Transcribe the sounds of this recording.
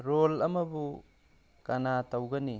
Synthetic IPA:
ɾolɐmɐbu | kanatɐwɡɐni

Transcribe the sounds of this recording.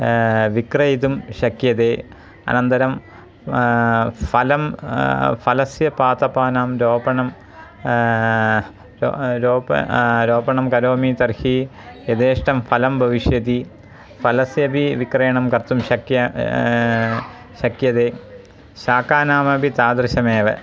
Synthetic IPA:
ʋikrɐjit̪umɕɐkjɐðeː | ɐ̰nɐnd̪ɐɾɐm | fɐlɐm | fɐlɐsjɐpaːt̪ɐpaːnaːmɾoːbɐɳɐm | ɾo̰ɾoːɾoːbɐɳɐmkɐɾoːmit̪ɐrhijed̪eːʂʈɐmfɐlɐmbʱɐʋiʂjɐd̪i | fɐlɐsjɐbiʋikrɐjɐɳɐmkɐrt̪umɕɐkjɐ | ɕɐkjɐðeː | ɕaːkaːnaːmɐbit̪aːd̪rɨɕɐmeːʋɐ

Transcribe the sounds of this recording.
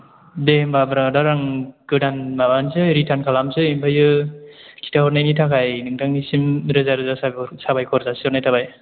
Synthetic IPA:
dembabɾadaɾaŋɡɯdanmabansɯɾitʰankʰalamzɯimbajɯ | kʰi̥tʰahɔɾnajnitʰakajnɯŋdaŋnisimɾɯzaɾɯzasasabajkʰɔɾzasiɔɾnajtʰabaj

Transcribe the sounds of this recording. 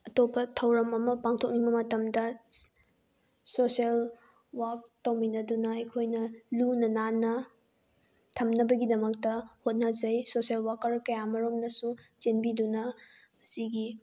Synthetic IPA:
ɐtopːɐtʰɐwɾɐmɐmɐpaŋtʰok̚niŋbɐmɐtɐmdɐ | sosel | wak̚tɐwminɐdunɐɐjkʰojnɐlunɐnanɐ | tʰɐmnɐbɐɡidɐmɐk̚tɐhot̚nazɐjsoselwakːɐɾkɐjamɐɾomnɐsut͡ʃenbidunɐ | ɐsiɡi

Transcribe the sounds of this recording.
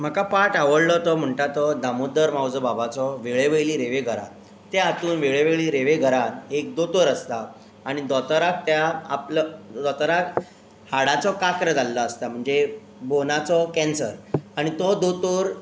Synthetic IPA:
m̤əkapaʈaʋəɽlɔt̪ɔm̤əɳʈat̪ɔd̪amod̪əɾmawd͡zəbabat͡sɔʋeɭeʋejliːɾeʋeɡʱəɾa̰t̪ | t̪jaat̪uːnʋeɭeʋeɭiːɾeʋeɡʱəɾanek̚d̪ot̪oɾəst̪aː | ɽ̃id̪ɔt̪əɾak̚t̪jaa̰pləd̪ɔt̪əɾak | haɽat͡sɔkakɾəd͡zalːɔəst̪am̤əɳd͡ze | bonat͡sɔkɛ̃nsəɾaɽ̃it̪ɔd̪ot̪oɾ

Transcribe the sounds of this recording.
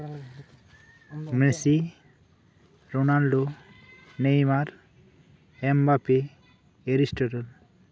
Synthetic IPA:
mɾesi | ɾonalɖo | nejmaɾ | ɛmbape | eɾisʈoɾan

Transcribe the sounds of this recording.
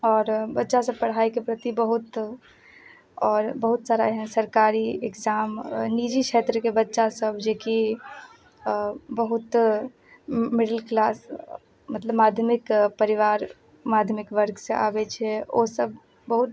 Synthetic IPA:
ɔːɾbətːʃasəb̚pəɽ̤aikepɾət̪ibəɦut̪ | ɔːɾbəɦut̪saɾaɦɛ̃səɾkaɾiekd͡ʒaːmnid͡ʒikʰet̪ɾəkebətːʃasəbʱd͡ʒeki | bəɦut̪ | mɪɽəlklaːs | mət̪ləbmad̪ʱjəmikpəɾiʋaɾ | mad̪ʱjəmikʋəɾɡsẽa̰bɛt͡ʃʰɛo̰səb | bəɦut̪

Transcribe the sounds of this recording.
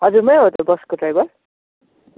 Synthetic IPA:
ɦʌd͡zuɾmʌjɦot̪ʌbʌskoʈrajbʌr

